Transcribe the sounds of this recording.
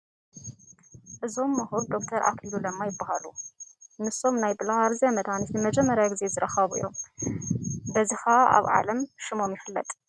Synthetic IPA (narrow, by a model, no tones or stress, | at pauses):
ʔɨzo̞mːɐhuɾd̪o̞kt̪ʰɐɾʔa̰kʰilulɐmːajɪbːahalunɨso̞mnajbɨlahaɾzamɐd̪hanisnɨmɐd͡ʒɛmːɐɾjaɡɨze̞zɨɾɐxɐβuɨ̰jːo̞̰m | bɐzixaʔa̰βʕa̰lɐmʃɨmo̞mjɪxɨlːɐ̰t̪ʼ